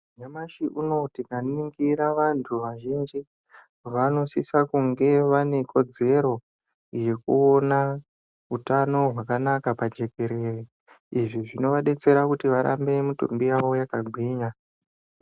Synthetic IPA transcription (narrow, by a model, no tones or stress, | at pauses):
ɲamaʃiʔuno̞tikaniŋɡiɾaʋantʰuʋaʒind͡ʒi | ʋano̞sisakuŋɡe̞ʋane̞kʰo̞d͡ze̞ɾo̞ | je̞kuona | utano̞ɦwakanakapad͡ʒe̞ke̞ɾe̞ːri | iʐiʐino̞ʋaɗe̞t͡se̞ɾakutiʋaɾa̰mbe̞mutṵmbiaʋo̞jakaɡʱwiːɲa